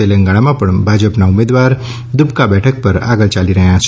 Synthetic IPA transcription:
elə̃ŋɡaɽ̃amãpəɳbʱad͡ʒəpnaumed̪waɾ | d̪upkabɛʈʰək̚pəɾa̰ɡəlt͡ʃaliɾəɦjãsʰ

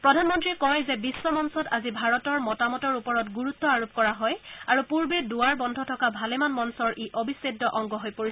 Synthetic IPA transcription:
pɹɔdʱanmɔntɹikɔjzɛbisːɔmɔnsɔtazibʱaɹɔtɔɹmɔtamɔtɔɹupɔɹɔtɡuɹut̪ːɔaɹup̚kɔɹaɦɔjaɹupuɹbeduaɹbɔndʱɔtʰɔkabʱalɛmanmɔnsɔɹʔeʔobʱisedːɔʔɔŋɡɔɦojpoɹi

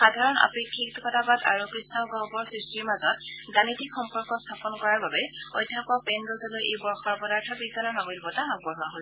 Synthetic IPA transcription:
xadʱaɹɔna̰pɹikʰːiktɔkɔtʰabata̰ɹukɹisnɔɡɔɦɔbɔɹsɹistɹiɹmazɔt | ɡanitikxɔmpɔɹkɔstʰapɔnkɔɹaɹbabɛ | ɔjdʱːapɔpɛnɹozɔlojejbɔɹxɔɹpɔdaɹtʰɔbiɡdanɔnɔmolbɔtamaŋ̚bɔɹɦaɦos

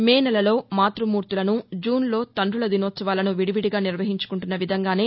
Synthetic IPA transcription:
meːnɐlɐlo̞ːmaːt̪ɾumuːɾt̪ulɐnud͡ʒuːnlo̞ːt̪ɐɳɖulɐd̪inoːt̪sɐʋaːlɐnuʋiɽiʋiɽiɡaːniɾʋɐɦiɲt͡ʃu̥kuɳʈunːɐʋid̪ʱɐŋɡaːne̞ː

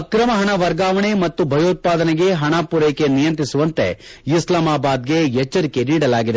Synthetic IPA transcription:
ɐkɾɐmɐɦɐɳɐʋɐɾɡaːʋɐɳemɐt̪ːubʱɐjoːt̪̚paːd̪ɐneɡe̞ɦɐɳaːpuɾɐjke̞nijɐnt̪ɾisuʋɐnt̪e̞̰ | islamaːbaːd̪̚ɡe̞ɛt͡ʃːɐɾike̞niːɽɐlaːɡid̪e

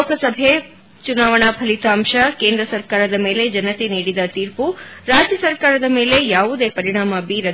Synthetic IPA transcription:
kʰɐsɐbʱe | t͡ʃunaːʋɐɳ̃apʰɐlit̪aːmʃɐkeːnd̪ɾɐsɐɾkaːɾɐd̪ɐme̞ːled͡ʒɐnɐt̪eniːɽid̪ɐt̪iːɾpuɾaːd͡ʒjɐsɐɾkaːɾɐd̪ɐme̞ːle̞jaːʋud̪eːpɐɾiɳ̃aːmɐbiːɾɐ

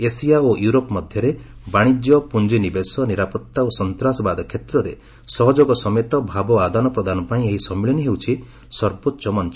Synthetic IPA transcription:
esijaojuɾopɔmɔd̪ʱjɔɾe | baɽ̃id͡ʒjɔpund͡ʒinibesɔniɾapɔt̪ːaosɔnt̪ɾasɔbad̪ɔkʰet̪ɾɔɾe | sɔɦɔd͡ʒoɡɔsɔmet̪ɔbʱabɔad̪anɔpɾɔd̪ʱanɔpaĩeɦisɔmiɭɔniɦewt͡ʃʰi | sɔɾbotːʃɔmɔnt͡ʃɔ

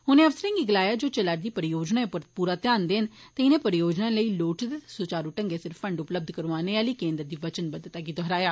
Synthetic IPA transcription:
ɦʊnẽːəʋsəɾə̃ːŋɡiːɡəlaːjaːd͡ʒoːt͡ʃəlaɾd̪iːpəɾɪjoːd͡ʒnaːepʊɾpuːɾaːt̪jaːnd̪eːnt̪eɪnẽːpəɾɪjoːd͡ʒnãːləiːloːʈʰd̪sʊt͡ʃaːɾuːʈəŋɡeːsɪɾfːəɳɖʊpləb̚d̪ʱkəɾʋaːneːaliːkẽːnd̪əɾd̪iːʋət͡ʃənbəd̪ət̪aːɡiːd̪ɔɦɾaːjaː

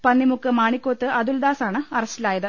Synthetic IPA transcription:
pɐnːimukːɨmaːɳikʲːoːt̪ːɨʔɐðuld̪aːsaːɳɨɐrɐstilaːjɐðɨ

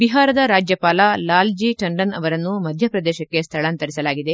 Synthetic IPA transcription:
biɦaːɾɐd̪ɐɾaːd͡ʒjɐpaːlɐlaːld͡ʒiʈɐɳɖɐnɐ̰ʋɐɾɐnːumɐd̪ʱjɐpɾɐd̪ɛːʃɐkːe̞st̪ʰɐɭaːnt̪ɐɾisɐlaːɡid̪e̞

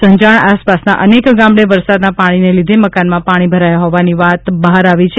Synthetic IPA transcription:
sə̃ɲd͡ʒaɳaspasna̰ʔənekɡamɭeʋəɾsad̪napaɽ̃inelid̪ʱeməkanmãpaɽ̃ibʱəɾajaɦɔʋaniʋat̪bəɦaɾaʋit͡ʃʰe

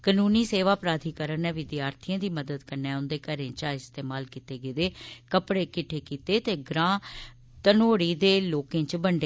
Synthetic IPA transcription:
kənuːniːseːʋaːpɾaːd̪ʱiːkəɾənɛːʋɪd̪jaːɾt̪ʰijãːd̪iːməd̪əd̪kəɾnɛ̃ːʊnd̪eːkəɾẽːt͡ʃaːɪst̪eːmaːlkiːt̪eːɡeːd̪eːkəpɽeːkɪʈʰeːkiːt̪eːt̪eːɡɾãː | t̪ənoːɽiːd̪eːloːkẽːt͡ʃbəɳɖe

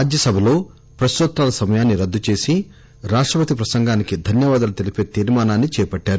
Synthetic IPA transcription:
aːd͡ʒjɐsɐbʱɐlo̞ː | pɾɐst̪ut̪ɾaːlɐsɐmɐjaːnːiɾɐd̪ːut͡ʃe̞ːsi | ɾaːʂʈɾɐpɐt̪ipɾɐsɐŋɡaːnikid̪ʱɐnjɐʋaːd̪ɐlut̪elipeːt̪iːɾmaːnaːnːit͡ʃɛːpɐʈːaːɾu

